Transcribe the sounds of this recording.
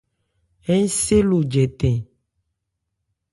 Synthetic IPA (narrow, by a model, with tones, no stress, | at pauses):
ɛ˦ɲ˦se˦lu˨d͡ʒɛ˨t̪ɛ̃˨